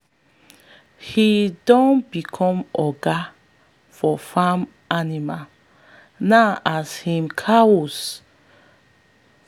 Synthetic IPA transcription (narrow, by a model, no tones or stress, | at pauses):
hidɔ̃nbikʰɔ̃mɔɡa | fɔfãm | ʔanima | naʔashĩmkʰaɔs